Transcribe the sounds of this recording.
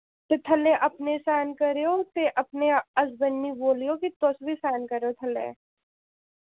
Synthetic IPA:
t̪et̪ʰɐlːeʔɐpnesaːnkɐɾeot̪eʔɐpneɐsbɐnːiboːlijokit̪osbʱisaːnkɐɾeot̪ʰɐlḛː

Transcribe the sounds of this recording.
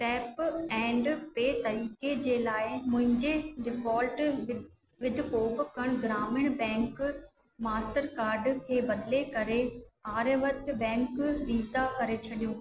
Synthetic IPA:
ʈɛːpɛ̃ːɳɖpeːt̪ɐɾiːked͡ʑeːlaːɪmʊ̃ɦɪ̃ɲd͡ʑeɖɪfɔːlʈ | ʋɪd̪ʱɪkoːbkɐɽ̃ɡɾaːmɪɽ̃bɛ̃ːŋk | maːsʈəɾkaːɾɖkʰeːbɐd̪lekɐɾeaːɾeʋɐt̪bɛ̃ːŋkʋiːzakɐɾet͡ɕʰɐɗijõː

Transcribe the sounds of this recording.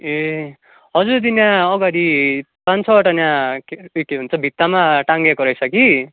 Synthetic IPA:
e | ɦʌd͡zuɾd̪injãʌɡaɽi | pãnt͡sʰʌʌʈʌnjãkjkeɦunt͡sʰʌbʱit̪ːamaʈaŋɡekoɾʌjsʰʌki

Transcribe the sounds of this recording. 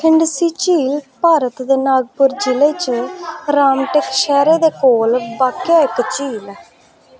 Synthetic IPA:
kʰɪɳɖsiːt͡ʃiːlpaːɾət̪d̪eːnaːɡ̚pʊɾd͡ʒɪleːt͡ʃɾaːmʈekʃɛːɾeːd̪eːkoːlbaːkjaːɪkt͡ʃiːlː

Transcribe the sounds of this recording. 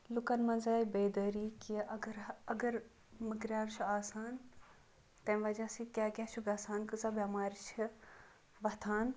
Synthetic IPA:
lukɐnmɐnzaːibeːd̪ɐɾiːkiʔɡɾɐɡɐɾ | mikɾʲaːɾt͡ʃʰuaːsaːn | t̪ɐ̃ʋɐd͡ʒasikʲaːɡʲaːt͡ʃʰuɡɐsaːnkɨzabɐmaːɾit͡ʃʰi | ʋɐt̪ʰaːn

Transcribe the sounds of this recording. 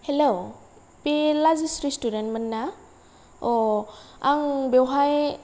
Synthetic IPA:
helow | pelazisɾistudentmənːa | ɔ | aŋbewɦaj

